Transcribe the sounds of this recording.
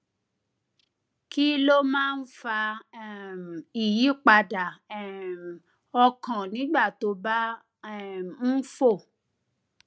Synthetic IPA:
ki˦lo˦mãː˦˧n̩˦fa˧˦˨ | i˨ji˨˦k͡pa˧da˨ɛ˨m˨ | ɔ˧kã˨nĩ˨˦ɡ͡ba˦˨to˧˦ba˦˨ | n̩˦fo˦˨

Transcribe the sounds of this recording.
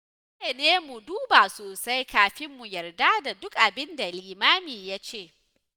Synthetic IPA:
je˨neː˦mu˨duː˦ba˨soː˨sa˦jkaː˨ɸɪ˦mːu˨jɐ˨rda˦da˨dʊ˦kʔa˨bɪ˦nda˨liː˨maː˦miː˨ja˦t͡ʃeː˦˨

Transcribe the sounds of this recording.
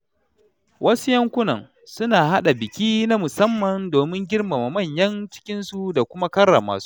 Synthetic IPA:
wʔɐ˦su˦jɐ˦ŋkʷʊ˦nɐ˨ŋ | sʊ˦naː˨ɦa˦ɗa˨bɪ˨kʲiː˦na˦mʊ˨sɐ˦mːɐ˨ndoː˨mɪ˦ŋɡʲɪ˦rma˨ma˨mɐ˦˨ɲjɐ˦nt͡ʃɪ̥˦kʲɪ˦nsu˨da˨kʷʊ˦ma˦kɐ˦rːa̰˨ma̰ː˨su̥˦

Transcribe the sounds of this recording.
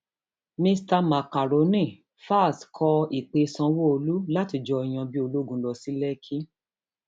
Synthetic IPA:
mĩ˧sta˧ma˨ka˨ɾo˨˦nĩ˦˨ | fa˦˨skʰɔ˧i˨k͡pe˨˧sã˧wo˦o˧lu˦la˦ti˧˦d͡ʒɔ˧i˨j̃ã˧bi˦o˧lu˦ɡũ˨˦lɔ˧si˦lɛ˦kʰi˦

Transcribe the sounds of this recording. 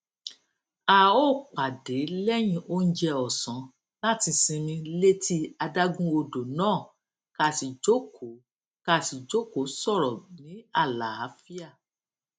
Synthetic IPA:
a˨o˦˨k͡pa˨de˨˦lɛ˦j̃ĩ˧ʔo˦n̩˦d͡ʒɛ˧ɔ˨sɔ̃˨˦ | la˦ti˧sĩ˧mĩ˧le˦ti˦a˧da˦ɡũ˦o˧do˨nãː˦˨ | ka˧˨si˨d͡ʒo˦kʰo˨˦ | ka˧˦˨si˨d͡ʒo˦ko˨˦sɔ˦˨ɾɔ˨nĩ˨˦a˦˨la˨a˨˦fi˦a˦˨

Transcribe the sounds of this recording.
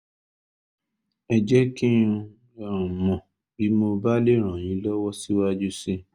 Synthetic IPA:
ɛ˨d͡ʒɛ˦kĩ˦ũ˧ | a˨ɾ̃ũ˨mɔ̃˨ | bi˨˦mo˧ba˦le˦˨ɾ̃ã˨j̃ĩ˨˦lɔ˦wɔ˦si˦wa˦d͡ʒu˦si˦

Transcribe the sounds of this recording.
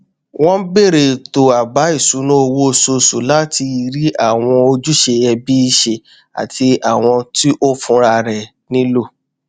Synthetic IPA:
w̃ɔ̃˦be˦˨ɾe˨to˨a˨ba˨˦i˦˨sũ˨˦nũ˦o˧wo˦˨so˧˨sṵ˨la˦ti˧i˧ɾi˦a˦˨w̃ɔ̃˧o˧d͡ʒu˦ʃe˧jɛ˧bi˦i˦˧ʃe˧˨ | a̰˨ti˧a˨w̃ɔ̃˧ti˦ʔo˦fũ˧˦ɾa˧ɾɛ˨ | nĩ˦lo˦˨

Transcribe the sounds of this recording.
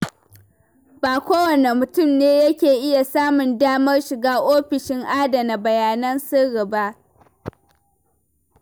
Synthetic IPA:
baː˨kʷoː˦wɐ˨ne˨mʊ˨tʊ˦˨mneː˦jɐ˦kʲeː˨ʔɪ˦ja˨saː˦mʊ˨ndaː˦mɐ˦rʃɪ˨ɡaː˦ʔoː˦ɸɪ˨ʃɪ˦ŋʔaː˦dɐ˨na˨bɐ˨jaː˨nɐ˦nsɪ˦ɽɪ˨ba˦ʔ

